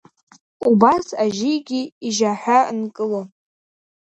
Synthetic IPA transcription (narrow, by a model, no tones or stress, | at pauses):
ubasaʒijɡʲiiʒaħʷᶣaɨnkʼɨlo